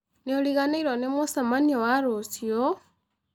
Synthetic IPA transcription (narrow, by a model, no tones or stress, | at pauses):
neoliɣaneiɾonemosamaniowaɾosio